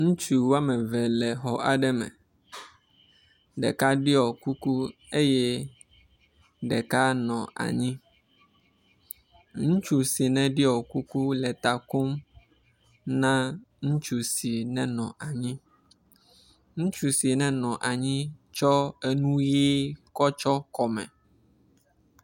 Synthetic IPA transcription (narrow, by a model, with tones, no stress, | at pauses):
ŋũ˦t͡ʃu˨wa˦mɛ̃˨vɛ˨lɛ˨xɔ˨ʔa˨ɖɛ˦mɛ̰̃˨ | ɖɛ̰˨ka˦ɖi˦ɔ˨ku˦ku˦ | e˦jɛ˦ | ɖɛ˨ka˦nɔ̃˨ʔa̰˨ɲĩ˦ | ŋũ˦t͡ʃu˨si˨nɛ̃˨ɖi˦ɔ˨ku˦ku˦lɛ˨t̪a˨ko˦m | nã˦ŋũ˦t͡ʃu˨si˨nɛ̃˨nɔ̰̃˨ʔa˨ɲĩ˦ | ŋũ˦t͡ʃu˨si˨nɛ̃˨nɔ̃˨ʔa˨ɲĩ˦t͡ʃɔ˦e˦nũ˦ji˦kɔ˦t͡ʃɔ˦kɔ˨mɛ̰̃˨